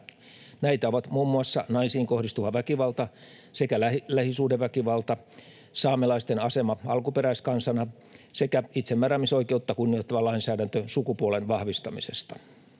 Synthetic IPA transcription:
næit̪æoʋɑt̪muːmːuɑsːɑ̰nɑisiːŋkohdist̪uʋɑʋækiʋɑlt̪ɑ | sekælælæhisuːdeʋʋækiʋɑlt̪ɑ | sɑːmelɑist̪enɑsemɑɑlkupeɾæiskɑnsɑnɑ | sekæit̪semːæræmiso̞ike̞ut̪ːɑkunːiot̪ːɑʋɑlɑinsæːdænt̪øsukupuolenʋɑhʋist̪ɑmisḛst̪ɑ̥

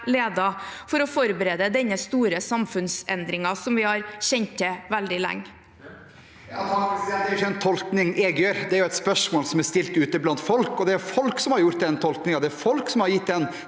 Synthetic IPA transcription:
leːd̪ɑfɔɾɔfɔɾbəɾeːd̪əd̪ɛnːəst̪uːɾəsɑmfʉnsɛnd̪ɾɪŋɑsɔmʋɪhɑɾɕɛnt̪ʰːɛʋæld̪ɪlæ̰ŋː | d̪ɛɾɪɛnt̪ʰɔlknɪŋɛɡjøːɾd̪ɛæɾjʊɛɪt̪spœʂmoːlsɔmæst̪ɪlt̪ʉːt̪əblɑnt̪fɔlkɔd̪ɛæɾfɔlksɔmhɑɾjʊɾʈ̪d̪ɛnt̪ʰɔlknɪŋɑd̪ɛæɾfɔlksɔmhɑɾjɪt̪d̪ɛn

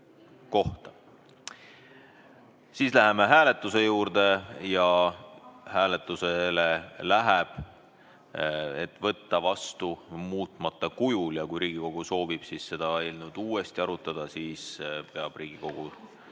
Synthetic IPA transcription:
ko̞ht̪ɑ̥ | siːslæɦeme̞ɦæːle̞t̪ːˑuse̞juːɾd̪̥e̞jɑ | hæːle̞t̪ːˑuselelæɦeb̥ | et̪ːˑvɤt̪ːɑvɑst̪umuːt̪ˑmɑt̪ːˑɑkujuljɑkujɾiːɡ̥iko̞ɡ̥uso̞ːvib̥siːsse̞d̪̥ɑelnud̪̥uːest̪iɑɾut̪ːˑɑd̪̥ɑsiːspe̞ɑb̥riːɡ̥iko̞ɡ̥u̥

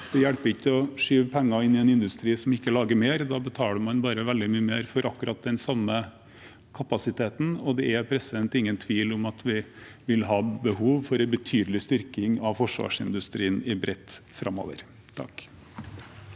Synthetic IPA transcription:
d̪̥ɛjæɽpəɾɪçːəɔʂyːʋpʰɛŋːɑɪnːɪɛnɪnd̪ʉst̪ɾiːsɔmɪkːəlɑːɡəɾmeːɾd̪ɑbət̪ʰɑːləɾmɑnbɑːɾəʋɛld̪ɪmyːəmeːɾfɔɾɑkːʉɾɑt̪̚d̪ɛnsɑmːə | kʰɑpɑsɪt̪ʰeːt̪n̩ɔd̪ɛɛpʰɾɛsɪd̪ɛnt̪ɪŋːənt̪ʰʋiːlɔmɑt̪ʰʋɪ | ʋɪlɦɑːbəhuːʋfɔɾbət̪ʰyːd̪əlɪst̪ʏɾkɪŋɑʋfɔʂʋɑ̰ːʂɪnd̪ʉst̪ɾiːənɪbɾʔɛt̪ːfɾʔɑ̰mo̰ːʋə̰ɾ | t̪ʰɑ̰k

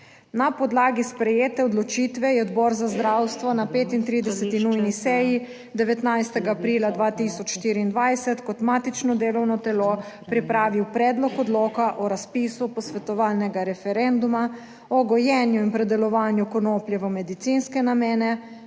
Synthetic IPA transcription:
napɔd̪laːɡispɾɛjeːt̪ɛɔd̪lɔt͡ʃiːt̪ʋɛjɛɔd̪bɔːɾzazd̪ɾawst̪ʋɔnapeːt̪int̪ɾiːd̪ɛsɛt̪inujnisɛːji | d̪ɛʋɛt̪najst̪ɛɡaːpɾiːlad̪ʋaːt̪isɔt͡ʃʃt̪iːɾiːnd̪ʋajsɛt̪kɔt̪maːt̪it͡ʃnɔd̪eːlɔwnɔt̪ɛlopɾipɾaːʋiwpɾɛːd̪lɔkɔd̪loːkaʔɔɾaspiːsupɔsʋɛt̪ɔʋaːlnɛɡaɾɛfɛɾɛnd̪uma | ɔɡɔjɛːnjuinpɾɛd̪ɛlɔʋaːnjukɔnoːpljɛʋəmɛd̪it̪sinskɛnameːnɛ

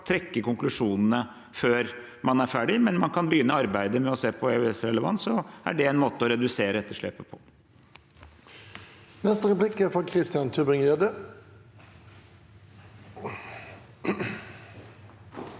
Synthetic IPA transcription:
t̪ʰɾɛkːəkʊŋklʉʂuːnnə | føːɾ | mɑnæɾfæːɖɪmɛnmɑnkʰɑnbəjʏnːɔɑɾbæɪd̪əmɛɔseːpʰɔɛʉɛsɾɛləʋɑ̰nsɔæ̰ɖɛæɪnmoːt̪əɔɾɛd̪ʉseːɾəɛt̪ːəʂɭḛːpəpʰɔ | nɛst̪əɾɛplɪkæɾfɑkʰɾɪst̪ɪɑnt̪ʰʉbɪŋjɛd̪ə

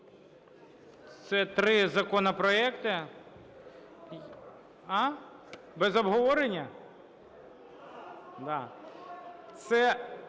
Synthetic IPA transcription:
t̪sɛt̪ɾɪzɐkɔnɔpɾɔɛkt̪ɪ | ɑ | bɛzɔbɦɔʋɔɾenʲːɐ | d̪ɑ | t̪sɛ

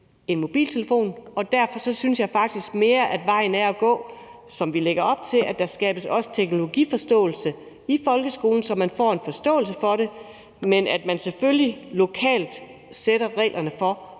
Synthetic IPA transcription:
e̝nmo̝b̥ḭːlt͡sʰe̝ləfo̝̰ːnɒ̽d̥æɐfɒ̽sɒ̽synsjɑ̈ɪfɑ̈ɡ̥̚d̥isɡ̥me̝ːɐʔæd̥ʋɑ̈ɪ̰n̩æɐæɡ̥ɔ̰̽ːsɒ̽mʋileɡ̥ɐɒ̽b̥̚t͡sʰe̝lʔæd̥ɑ̈sɡ̥ɛ̰ːb̥əsɒ̽sə̥t͡sʰeɡ̥no̝lo̝ɡ̥ḭːfɒ̽sd̥ɔ̰̽ːl̩sə | ifɒ̽lɡ̥əsɡ̥o̝ːln̩sɒ̽mænfɒ̰ːe̝nfɒ̽sd̥ɔ̰̽ːl̩səfɒ̽ɾe̝ | menæd̥mænseføljilo̝kʰɛ̰ːld̥seɾɐʁɛ̰ːlʔɐnəfɒ̽

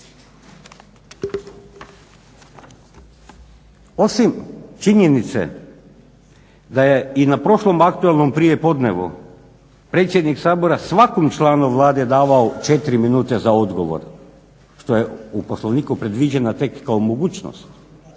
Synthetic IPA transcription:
o̞simt͡ʃiɲe̞nit̪sḛ | d̪ajeinapɾo̞ʃlˠo̞mak̚t̪uelˠno̞mpɾijepo̞d̪ne̞ʋṵ | pɾe̞t̪sjed̪niksaːbo̞ɾasʋakomt͡ʃlˠaːnoʋlˠaːd̪ed̪aːʋaot͡ʃe̞t̪iɾiminuːt̪e̞zaod̪ɡo̞ʋo̰ɾ | ʃt̪o̞jeuposlˠo̞ʋniːkupɾe̞d̪ʋid͡ʑenat̪e̞kːaomo̞ɡuːt͡ʃno̰st̪

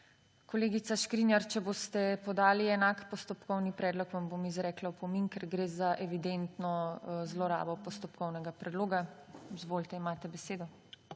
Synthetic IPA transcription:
koleːɡit̪saʃkɾinjaɾt͡ʃɛbost̪ɛpɔd̪aːliɛnakpɔst̪ɔpkɔwnipɾɛːd̪lɔkʋambomizɾɛːklawpɔminkɛɾɡɾeːzaʔɛʋid̪ent̪nɔzlɔɾa̰ːbɔpɔst̪ɔpkɔwnɛɡapɾɛd̪loːɡazʋoːlt̪ɛimaːt̪ɛbɛseːd̪ɔ

